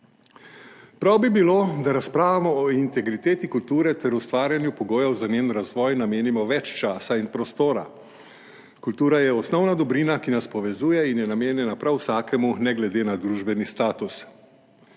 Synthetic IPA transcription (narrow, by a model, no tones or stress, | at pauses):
pɾawbibiloːd̪aɾaspɾaːʋamɔːint̪ɛɡɾit̪eːt̪ikult̪uːɾɛt̪ɛɾust̪ʋaːɾjanjupɔɡoːjɛwzaneːnɾazʋɔːjnameːnimɔʋɛt͡ʃt͡ʃaːsainpɾɔst̪oːɾa̰ | kult̪uːɾajɛɔsnɔwnad̪ɔbɾiːnakinaspɔʋɛzuːjɛinjɛnameːnjɛnapɾawsaːkɛmunɛɡlɛd̪eːnad̪ɾuːʒbɛnist̪aːt̪us